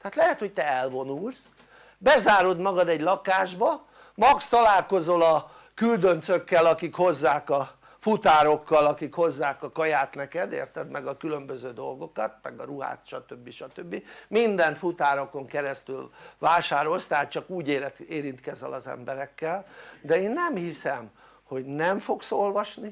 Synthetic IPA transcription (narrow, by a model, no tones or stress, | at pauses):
t̪ɛɦaːt̪lɛɦɛt̪ho̞c̚t̪ɛɛlvo̞nuls | bɛzaːɾo̞d̪mɒɡɒd̪ɛɟlɒkaːʒbɒ | mɒkst̪ɒlaːlko̞zo̞lɒ | kyld̪ø̞nt̪søkːɛlɒkikho̞zːaːkɒ | fut̪aːɾo̞kːɒlɒkikho̞zːaːkɒkɒjaːt̪nɛkɛd̪ḛːrt̪ɛd̪mɛɡɒkylø̞mbøzøːd̪o̞lɡo̞kɒt̪̚mɛ̰ɡɒɾuɦa̰ːt̪ʃɒt̪øbːiʃɒt̪øbːimind̪ɛnt̪fut̪aːɾo̞ko̞ŋkɛɾɛst̪ylvaːʃaːɾo̞lst̪ɛɦaːt̪t͡ʃɒkuːɟeːeːɾint̪kɛzɛ̰lɒzɛ̰mbɛɾɛkːɛld̪ɛeːnːɛmhisɛm | ho̞ɟnɛɱfo̞kso̞lvɒʃni